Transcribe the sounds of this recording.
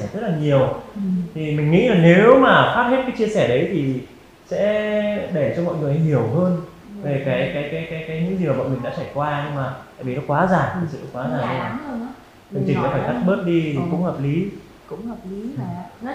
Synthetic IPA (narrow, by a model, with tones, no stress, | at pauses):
ɛ˧˩zə˦˥t̚laː˨˩ɲi˨˩əwt̪ʰi˨˩mï˨˩ŋ̟ːŋḭ˧˥zaː˨˩ŋne˨˦wmaː˨˩xaː˦˥p̚he˦˥t̚kaː˨˦jt͡ɕi˧əsɛː˧˩ɗə˨˦jt̪ʰi˨˩ | sɛ̰˧˥ɗe˧˩t͡ɕɔ˧mɔ̰˧˨jŋɨ˨˩ə˦jhi˧˩əwɦəː˧n | ve˨˩kaː˨˦jkaː˨˦jkaː˨˦jkaː˨˦jkaː˨˦jɲɨ̰˧˥ŋzi˨˩ma˨˩ɓɔ̰˧˨jmï˨˩ŋɗa̰ː˧˥t͡ɕaː˧˩jkwaː˧ɲɨ˧ŋmaː˨˩tt̪a̰ː˧˨jvi˨˩nɔ˨˦kwaː˨˦zaː˨˩ŋi˨˩sɨ̰˧˨nɔ˨˦kwaː˨˦zaː˨˩˧ | t͡ɕɨ˨˩ŋt͡ɕï˨˩˨a̰ː˧˦faː˧˩jt̪a˦˥k̚ɓəː˦˥t̚ɗi˧t̪ʰi˨˩kʊ̰˧˥ŋ͡mhəː˨˩p̚li˨˦ | kʊ̰˧˥ŋ͡mhəː˨˩p̚li˨˦